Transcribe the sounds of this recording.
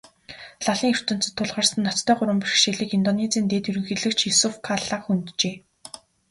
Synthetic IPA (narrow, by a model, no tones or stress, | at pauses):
ɮaɮiːŋɵr̥t̪ɵ̆n̥t͡sɘ̆t̪ʰːʊɮʁaːrsə̆nːɔt͡st̪ʰœːɢʊɾwə̆mpirxʃeɮiːkint̪ɔnet͡siːnt̪eːt̪ɵɾɵ̆ŋxiːɮɘ̆kt͡ɕʰjisufkʰaɮaːχxunt̪t͡ɕeː